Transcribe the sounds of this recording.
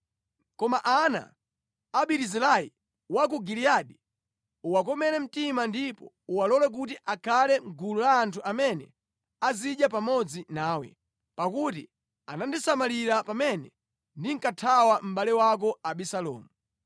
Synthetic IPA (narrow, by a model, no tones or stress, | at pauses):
kɔmaʔana̰ː | ɓiɾizɛlai | wak̬uɡiliaɗi | uwak̬ɔmɛɾɛm̩timandipɔ̰ | uwalɔlɛk̬ut̬iʔakʰalɛŋɡululaːntʰuamɛnɛ̰ | aziɗjap̬amɔd͡zinaːwɛ̰ | pakutḭ | a̰nandisamaliɾapamɛnɛ̰ | ndiŋ̩katʰawam̩ɓalɛwak̬ɔaɓisalɔ̰ːmu